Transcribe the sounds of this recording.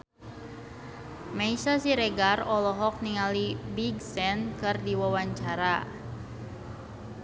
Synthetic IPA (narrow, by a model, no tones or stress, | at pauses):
maisasiɾeɡarɔlɔɦɔk̚niŋalibiɡsɛnkɨrdiwawaɲt͡ʃaɾa